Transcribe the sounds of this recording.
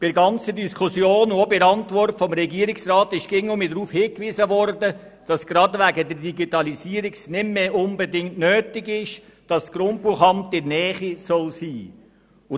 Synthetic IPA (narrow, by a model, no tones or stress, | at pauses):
pɪɾɡɑnt͡sədiskʰusjoːnʊobɪɾɑntʋɔrtfɔmɾɛɡiːəɾiksrɑːt̪ɪʃɡ̥ɪŋʊmidɾuːfhɪːkʋizəʋɔrdə | d̥ɑsɡ̥ɾɑdʋæɡədəɾdiɡitɑliziːəɾiksnɪmmeːʔʊnbədɪŋtnøːtɪɡɪʃ | d̥ɑsːɡ̥ɾʊnppuχɑmtɪɾnɛːχisɔlsiː | ʊ